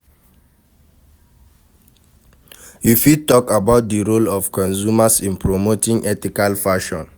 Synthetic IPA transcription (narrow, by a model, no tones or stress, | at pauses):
jufid̚tɔkabaʊt̚diɹolɔfkɔ̃nsumasĩnpɹomotĩŋʔɛtikalfaʃɔ̃n